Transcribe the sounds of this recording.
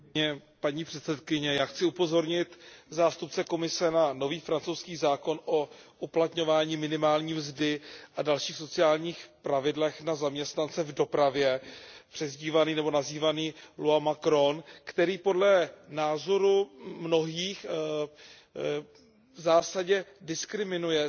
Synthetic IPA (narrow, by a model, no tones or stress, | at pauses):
ɲɛpaɲiːpr̥ɛt̪sɛt̪kɪɲɛjaːxt͡sɪupo̞zo̞ɾɲɪt̪zaːst̪up̚t͡sɛko̞mɪsɛnano̞viːfɾant͡sowskiːzaːko̞nʔoʔuplat̪ɲo̞vaːɲiːmɪnɪmaːlɲiːmzdɪʔadalʃiːxso̞t͡sɪaːlɲiːxpɾavɪdlɛxnazamɲɛst̪nant͡sɛvdo̞pɾavjɛpr̝̥ɛzɟiːvaniːnɛbo̞naziːvaniːluamakɾo̞nkt̪ɛɾiːpo̞dlɛnaːzo̞ɾumno̞ɦiːx | zaːsaɟɛdɪskɾɪmɪnujɛ